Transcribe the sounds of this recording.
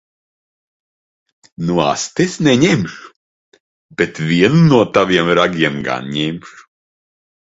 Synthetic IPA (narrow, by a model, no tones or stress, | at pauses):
nua̰st̪esnɛɲemʃu̥ | bet̪vʲiɛnunuɔt̪aviɛmɾaɡʲiɛmɡa̰nɲemʃ